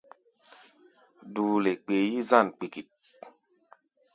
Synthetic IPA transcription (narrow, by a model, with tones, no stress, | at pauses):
duː˨le˨k͡peː˨˦ji˦za˦˨nk͡pi˨ki˨t̚